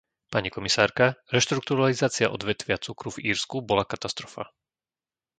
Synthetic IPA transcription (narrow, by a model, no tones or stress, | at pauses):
paɲikɔmisaːɾkaɾɛʃt̪ɾuk̚t̪uɾalizaːt͡sɪaʔɔ̰d̪ʋɛt̪ʋɪat͡sukɾuviːɾskubɔlakat̪ast̪ɾɔfa̰